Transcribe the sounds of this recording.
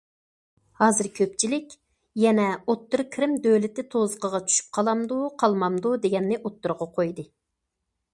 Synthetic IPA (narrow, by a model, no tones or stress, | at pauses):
hɑːzɨɾkʲʰøp̚t͡ʃʰilɪkʲ | jɛnɛot̪ːuɾkʰʲɾɪmd̪øwlɪt̪ɪt̪ʰozəqəʁɑt͡ʃʰy̥ʃy̥p̚qʰɑlˠɑmd̪uqʰɑlˠmɑmd̪ud̪eɡʲɛnːɪʔot̪ːʊɾʁɑqʰojd̪ɨ